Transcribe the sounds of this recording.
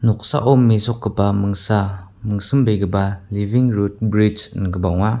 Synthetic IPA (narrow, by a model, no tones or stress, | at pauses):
nɔk̚sa̰ʔɔmːisɔk̚kəpaməŋsa | məŋsəmbəjɡəbaliviŋɾut̚bɾit͡ʃnkəbawŋa